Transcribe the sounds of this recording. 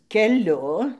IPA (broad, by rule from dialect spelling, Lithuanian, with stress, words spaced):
kʲɛˈlʲʊ